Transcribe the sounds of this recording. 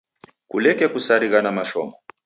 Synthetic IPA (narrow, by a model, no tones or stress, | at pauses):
kulɛkɛkusaɾiɣanamaʃɔmɔ